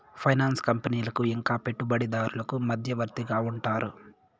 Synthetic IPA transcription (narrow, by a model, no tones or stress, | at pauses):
pʰɐjnaːnskɐmpɐniːlɐkuiŋkaːpe̞ʈːubɐɽid̪aːɾulɐkumɐd̪ʱjɐʋɐɾt̪iɡaːuɳʈaːɾṵ